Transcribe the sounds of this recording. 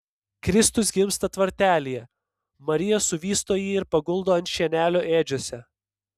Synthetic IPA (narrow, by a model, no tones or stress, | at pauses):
kɾʲɪst̪ʊsɡʲɪmst̪ɐt̪ʋɐɾʲt̪ʲæːlʲijɛ | mɐɾʲɪjɛsʊʋʲiːst̪oːjiːɪɾpɐɡʊlˠd̪oːɐnt̪ʲʃʲiɛnʲæːlʲoːʔeːd͡ʒʲoːsʲɛ